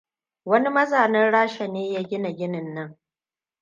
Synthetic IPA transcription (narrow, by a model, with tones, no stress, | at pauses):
wɐ˦ni˦mɐ˦zaː˨nɐ˦rɽaː˦ʃa˨neː˦jaː˦ɡʲɪ˦na˨ɡʲɪ˦nɪ˨nːɐ˦ŋ